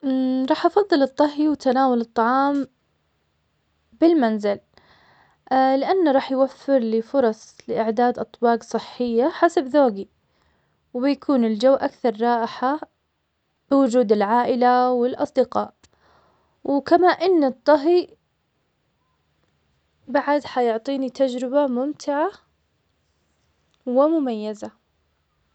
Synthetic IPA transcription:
ɾˤɑːħʔɑfɑðˤːɨlɨt̪ˤːɑɦiwt̪anaːwalɨt̪ˤːɑʕɑːm | bɪlmanzɪl | lɪʔanːɾˤɑːħjwafːɪɾlɪfʊɾˤɑsˤlɪʔɪʕd̪aːd̪ʔɑt̪ˤwɑːɡsˤɨħːɪjːaħasabðoːɡi | wbɪjakʰuːnɪld͡ʒawːʔakθɑɾˤːɑːʔɪħa | bɪwʊd͡ʒuːd̪ɪlʕaːʔɪlawɪlʔɑ̰sˤd̪ɪqɑːʔ | wɪkamaːʔɪnːɨt̪ˤːɑɦi | baʕad̪ħajʊʕt̪ˤiːnit̪ʰad͡ʒɾɪbamʊmt̪ʰɪʕa | wɪmʊmajːaza

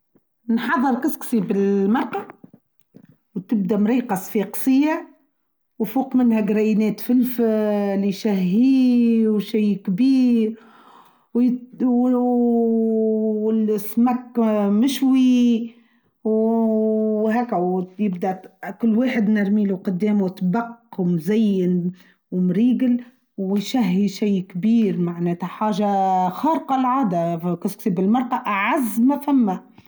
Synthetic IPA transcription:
nħɑðˤːəɾkɪsksibɪlmɑɾˤqɑ | wt̪ɪb̚d̪æmɾiːqɑsˤfiːqsɪjːa | wfuːqmɪnhæɡɾæjnɛːt̪fɪlfliʃæhːiːwʃijːkbiːɾ | w | lsmækːmɪʃwi | w | ɦæːkːawjɪb̚d̪akʊlːwaːħɪd̪nɪɾmiːluqʊd̪ːeːmwt̪bɑqːwmzæjːɪn | wmɾiːɡɪl | wjʃæɦːiʃijːkbiːɾmaʕnɛːt̪haħaːʒaxɑːɾqɑlʕaːd̪akasksibɪlmɑɾˤʔɑʔʕazmafamːa

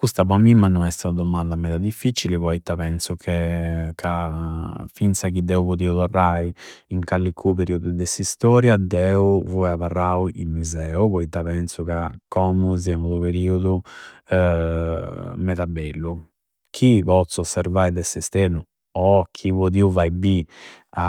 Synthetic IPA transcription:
kust̪apɔmimːanːɔnɛst̪aad̪ɔmand̪amɛːt̪ad̪ifːit͡ʃilipɔit̪ːapɛnsukʰɛkʰa | fint̪sakid̪ɛupot̪iːut̪ɔrːaiiŋkalːikʰupeɾiud̪ud̪ɛsist̪ɔːɾjad̪ɛuvɔaβarːauimuzɛːupɔit̪ːapɛnsukakːɔmuz̬ɛmut̪upeɾiːud̪u | mɛt̪abɛlːu | kʰipɔt̪sːɔsːɛɾvaːid̪ɛsɛst̪ɛnu | ɔkʰipod̪iuvajbia

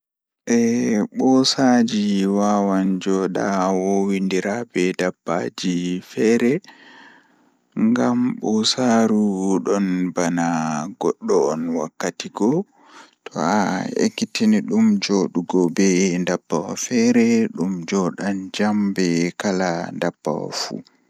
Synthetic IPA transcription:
ʔɛɓɔsad͡ʒiwaːwand͡ʒɔɗa̰wɔwindiɾabɛdabːa̰d͡ʒifɛɾɛ | ŋɡamɓɔsaɾuɗɔnbanaɡɔɗːɔːnwakːatiɡɔ | tʰɔaḛkːitiniɗumd͡ʒoɗuɡɔbɛndabːawa̰fɛɾɛɗumd͡ʒɔɗand͡ʒambɛkalandabːa̰wa̰fṵ

